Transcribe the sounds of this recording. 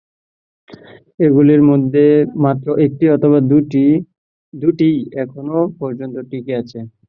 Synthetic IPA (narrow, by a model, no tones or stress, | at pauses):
eɡuliɾmod̪ʱːemat̪ːɾoʔek̚ʈiɔt̪ʰoβad̪u | d̪uʈijɛkʰonopɔɾd͡ʑont̪oʈikeat͡ɕʰe